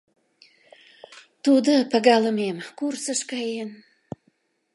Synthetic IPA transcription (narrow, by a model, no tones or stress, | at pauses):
t̪ud̪əpəɡɑləmemkursəʃkɑjen